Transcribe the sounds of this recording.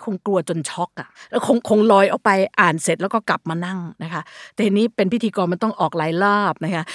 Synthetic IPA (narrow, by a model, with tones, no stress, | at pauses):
kʰo˧ŋklu˧ɐt͡ɕo˧nt͡ɕʰɔ˦˥k̚ʔa˨˩lɛː˦˥wkʰo˧ŋkʰo˧ŋlɔː˧jʔa˨˩wpa˧jʔaː˨˩nse˨˩t̪̚lɛ˦˥wkɔː˥˩ka˨˩p̚maː˧na˥˩ŋna˦˥kʰa˦˥ʔt̪ɛː˨˩ʔa˧nːiː˦˥pe˧npʰi˦˥t̪ʰiː˧kɔː˧nma˧˥˩nt̪ɔ˥˩ŋʔɔː˨˩k̚laː˨˦jlɔː˥˩p̚na˦˥kʰa˦˥ʔ